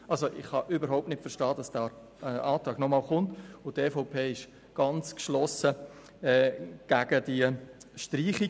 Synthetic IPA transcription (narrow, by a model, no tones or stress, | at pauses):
ʔɑlsoʔɪχhɑʔybəɾɦaʊp̚tnɪtfəʃtɑːd̥ɑsd̥æ | ɛʔɑːtɾɑːɡnɔmɑːlχʊntʊtefoʊpʰeːɪʃ | ɡ̥ɑnt͡skʃlɔsə | ɛːɡ̥æɡ̥əd̥iʃtriːχi